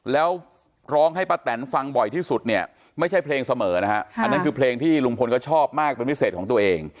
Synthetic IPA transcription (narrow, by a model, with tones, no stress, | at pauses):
lɛː˦˥w | ɾɔː˦˥ŋɦa˥˩jpaː˧˥t̪ɛ˩˦nfa˧ŋbɔ˨˩jt̪ʰiː˥˩su˨˩t̪̚ni˥˩ɐ | ma˥˩jt͡ɕʰa˥˩jpʰleː˧ŋsa˧mɤː˩˦na˦˥kʰa˦˥a˧nːa˦˥kʰɯː˧pʰleː˧ŋt̪ʰiː˥˩lu˧ŋpʰo˧nkʰɔ˥˩t͡ɕʰɔː˥˩p̚maː˥˩k̚pe˧npʰi˦˥seː˨˩kʰɔ˩˦t̪u˧ɐʔeː˧ŋ